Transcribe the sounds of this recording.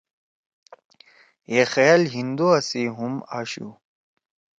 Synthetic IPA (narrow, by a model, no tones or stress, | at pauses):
jexejɐlɦind̪uɐsiɦumaːɕṵ